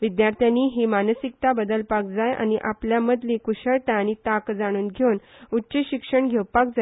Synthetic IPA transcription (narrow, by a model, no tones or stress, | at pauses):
ʋid̪jaɾt̪ʰjanːiːɦimanəsik̚t̪abəd̪əlpak̚d͡zaja̰ñiʔapljaməd̪likuɕəɭt̪aːnit̪akd͡zaɽ̃uːnɡʱenutːt͡ɕiɕikʂəɳɡʱewpak̚d͡zaj